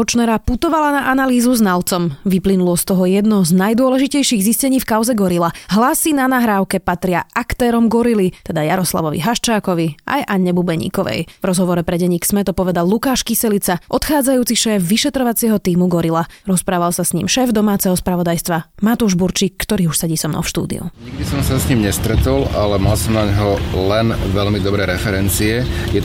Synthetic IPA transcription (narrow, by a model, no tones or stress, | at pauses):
ɔt͡ʃnɛɾaput̪ɔʋalanaʔanaliːzuznalt͡sɔmʋiplinulɔst̪ɔɦɔjɛd̪nɔɦɔznajd̪ʊɔlɛʒicɛjʃiɣziscɛɲiːfkaʊzɛɡɔɾilaɦlasinanaɦɾaːʊkɛpat̪ɾɪaʔakt̪ɛːɾɔmɡɔɾilit̪ɛd̪ajaɾɔsla̰ʋɔʋḭɦaʃt͡ʃaːkɔʋiʔa̰jʔaɲːɛbubɛɲḭːkɔʋɛ̰jvɾɔzɦɔʋɔɾɛpɾɛɟɛɲiːksmɛt̪ɔpɔʋɛd̪alːukaːʃkisɛlit͡saʔɔt̪xaːd͡zajuːt͡siʃɛːfʋiʃɛt̪ɾɔʋat͡sɪɛɦɔt̪iːmuɡɔɾilaɾɔspɾaːʋalsasɲḭːmʃɛːvd̪ɔmaːt͡sɛɦɔspɾaʋɔd̪ajst̪ʋamat̪uʒbuɾt͡ʃiːkːt̪ɔɾiːuʃsɛɟisɔmnɔ̰fʃt̪ṵːd̪ḭṵɲiɡ̚d̪isɔmsasɲimɲɛst̪ɾɛt̪ɔla̰lɛmalsɔmnaɲɦɔlɛnʋɛʎmid̪ɔbɾɛːɾɛfɛɾɛnt͡siɛjɛ